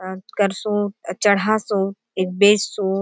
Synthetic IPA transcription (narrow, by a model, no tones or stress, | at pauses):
kɐɾsoːʈt͡ʃɐɽ̤asoːʈ | eːk̚beːssoː